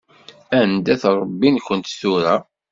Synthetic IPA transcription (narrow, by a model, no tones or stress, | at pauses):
ænd̪æθɾˤəbːinkʷənt̪θuɾæ